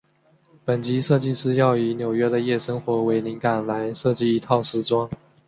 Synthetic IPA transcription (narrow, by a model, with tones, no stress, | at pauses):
pə˨˩nt͡ɕi˧˥ʂɤ˥˧t͡ɕi˥˧ʂɹ̩˥jɑ˥˩ʊi˨˩njo˨˩ʊɥɛ˥d̪ə˨jɛ˥˩ʂə˥ŋxwɔ˧˥we˧˥ɪli˧˥ŋka˨˩nla˧˥ɪʂɤ˥˧t͡ɕi˥˩i˧˥t̪ʰɑ˥˩ʊʂɻ̩˥ʈ͡ʂwɑ˥ŋ